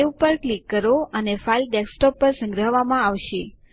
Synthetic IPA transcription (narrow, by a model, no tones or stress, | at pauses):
eupəɾklikːəɾoənefailɖeksʈɔpːəɾsə̃ŋɡɾəɦʋamãaʋʃe